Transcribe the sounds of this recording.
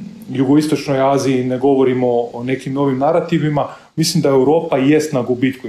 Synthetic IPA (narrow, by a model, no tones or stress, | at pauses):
juɡo̞ist̪o̞t͡ʃnojaːziineɡo̞ʋoɾimoːne̞kimno̞ʋimnaɾat̪iʋima | mislimd̪aewɾo̞ːpaje̞st̪naɡubiːt̪ku